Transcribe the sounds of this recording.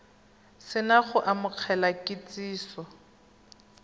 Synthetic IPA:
sɪnaχʊʔamʊq͡χʰɛlakɪt͡sʼiːsɔ

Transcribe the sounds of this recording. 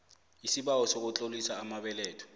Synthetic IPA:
isibawɔsok̬ʊt͡ɬʼolisaːmabɛlɛːtʰɔ̥

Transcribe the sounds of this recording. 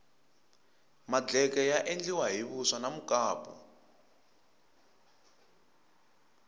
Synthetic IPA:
mad͡ɮɛkɛjaʔend͡ɮiwaɦiβusanamukaːpɔ̰

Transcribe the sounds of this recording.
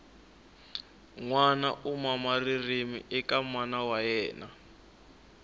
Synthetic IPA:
ŋwana̰ʔumamaririmḭʔɛkamwanawajɛːna

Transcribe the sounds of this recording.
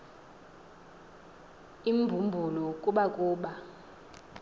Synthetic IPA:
imbʱumbʱulɔkʼuɓakʼuːɓa

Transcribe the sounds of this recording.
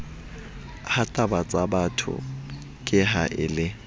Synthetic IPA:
hatʼabat͡sʼabatʰʊ̰ | kʼɪɦaʔɪlɪ

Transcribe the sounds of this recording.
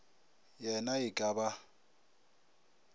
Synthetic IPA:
jɛnaɪkʼaba

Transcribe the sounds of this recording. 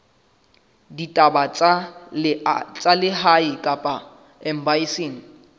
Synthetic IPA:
ditʼaba | t͡sʼalɪɦaɪkʼapʼa | ɛm̩baiseːŋ̩

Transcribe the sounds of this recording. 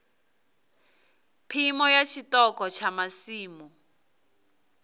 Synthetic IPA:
pʰimɔjat͡ʃʰitɔkɔt͡ʃʰamasiːmu

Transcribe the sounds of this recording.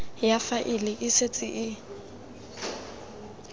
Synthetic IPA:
jafaʔɪlɪʔɪset͡sʼɪʔɪ

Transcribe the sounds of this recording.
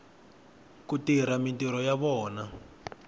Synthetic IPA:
kutiɾamintiɾɔjaβɔːna

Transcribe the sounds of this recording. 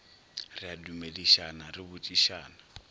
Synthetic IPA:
rɪadumeliʃanarɪbʊt͡ʃʼiʃaːna

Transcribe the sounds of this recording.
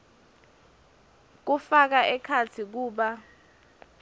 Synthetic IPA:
k̬ufak̬aʔɛkʰat͡sʰik̬uːɓa

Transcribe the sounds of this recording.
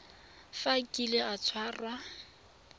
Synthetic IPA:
fakʼilɪat͡sʰwaːrwa

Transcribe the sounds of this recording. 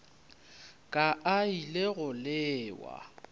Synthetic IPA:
kʼaʔaileɣʊlɪːwa̰

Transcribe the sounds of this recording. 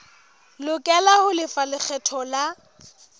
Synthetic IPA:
lʊkʼɛlahʊlɪfalɪk͡xʰɛtʰɔla

